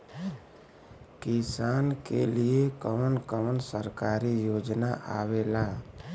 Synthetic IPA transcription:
kisaːnkḛliekənkəənsəɾkaːɾijoːd͡ʒnaʔa̰ːʋelaː

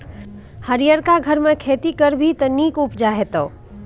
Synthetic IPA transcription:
həɾijəɾkaɡʱəɾmẽkʰeːt̪ikəɾbʱit̪əniːkʊpd͡ʒaɦet̪oː

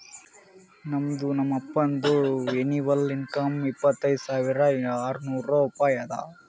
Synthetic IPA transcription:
nɐmd̪unɐmːɐpːɐnd̪ueniʋɐlinkɐmipːɐt̪ːɐjd̪saːʋiɾɐaːɾnuːɾɐupaːjɐd̪a̰

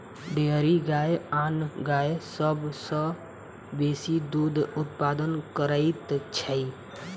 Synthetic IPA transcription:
ɖeːɾiɡaːeaːnɡaːjesəbsə | beːsid̪uːd̪ʱʊt̪̚paːd̪ənkəɾəit̪t͡ʃʰəi

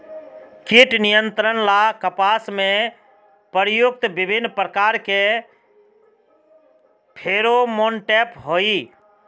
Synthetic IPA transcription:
kiʈnijənt̪ɾənlakəpasmẽ | pəɾjʊk̚t̪bɪbʱɪnːpɾəkaɾke | pʰeɾomonʈepɦoi

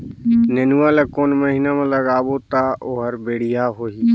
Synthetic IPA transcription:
nenuwaːlakoːnməɦiːnamãləɡaːbot̪aːʔoːɦəɾbeːɽ̤ijaːɦoːɦiː

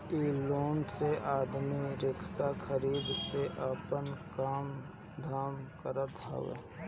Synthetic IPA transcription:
iːloːnseʔaːd̪miɾɪksakʰəɾiːd̪seʔəpənkaːm | d̪ʱaːmkəɾət̪ɦɛ̰ʋḛː

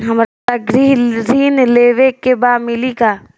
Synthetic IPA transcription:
ɦɐmɾatɐɡɾiziːnleːʋekebaːmɪlikaː

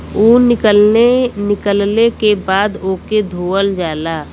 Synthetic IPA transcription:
uːnɪkəenɪkəlnekebaːd̪oːked̪ʱoːəld͡ʒaːlaː

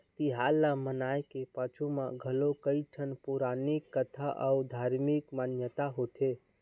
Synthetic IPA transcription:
t̪iɦalamənajkepat͡ʃʰumaɡʱəlokəjʈʰənpuɾanikːət̪ʰaʔaud̪ʱaɾmikmanjət̪aɦot̪ʰe

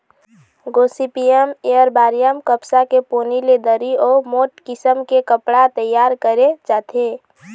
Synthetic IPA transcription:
ɡosipiemejəɾbaːɾijəmkəpsakepoːniled̪əɾiɔːmoʈkɪsəmkekəpɽat̪əjːaːɾkəɾet͡ʃaːt̪ʰe

